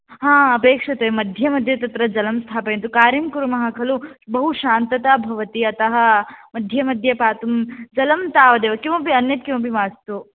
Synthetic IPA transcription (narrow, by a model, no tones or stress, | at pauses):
ɦãːɐpeːkʂɐt̪emɐd̪ʱjɐmɐd̪ʱjɐt̪ɐt̪ɾɐd͡ʒɐlɐmst̪ʰaːpɐjẽnt̪̬ukaːɾimkuɾumɐɦɐkʰɐlubɐɦuʃaːnt̪ɐt̪aːbʱɐʋɐt̪iɐt̪ɐɦɐ̆mɐd̪ʱjɐmɐd̪ʱjɐpaːt̪umd͡ʒɐlɐmt̪aːʋɐd̪eːʋɐkimɐpiɐnjɐt̪̚kimɐpimaːst̪u